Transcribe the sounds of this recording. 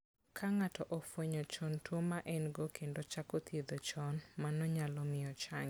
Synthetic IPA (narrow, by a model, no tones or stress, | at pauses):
kʰaŋatɔʔɔfwoɲɔt͡ʃɔntwomaʔɛnɡokʰendot͡ʃakot̪jed̪ot͡ʃɔnmanɔɲalɔmɪɔt͡ʃaŋ